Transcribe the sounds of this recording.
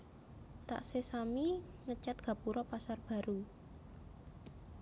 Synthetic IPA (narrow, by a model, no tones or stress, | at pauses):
t̪a̰ʔsesamiŋət͡ʃat̪̚ɡ̥a̤puɾɔpasarb̥a̤ɾu